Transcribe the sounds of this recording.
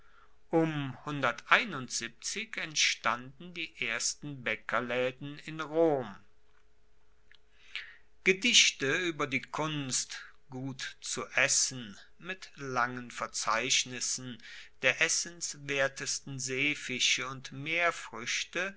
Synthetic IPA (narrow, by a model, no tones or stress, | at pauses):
ʔʊmhʊndɐtʔaɪnʊntz̥ip̚t͡sɪkɛntʃtandn̩diːʔeːɐstn̩bɛkʰɐlɛːdn̩ɪnʁoːm | ɡ̥ədɪʃtəyːbɐdiːkʰʊnst | ɡ̥uːtt͡suʔɛsn̩ | mɪtlaŋənfɛɐt͡saɪʃnɪsn̩d̥eːɐʔɛsənsveːɐtəstn̩zeːfɪʃəʊntmeːɐfʁ̥ʏʃtə